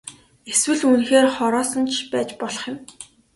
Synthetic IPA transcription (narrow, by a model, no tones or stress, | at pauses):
eswɘ̆ɮunxeːrχɔɾɔːsɞ̆nt͡ɕʰpæːt͡ɕpɔɮɞ̥̆χjɪ̆m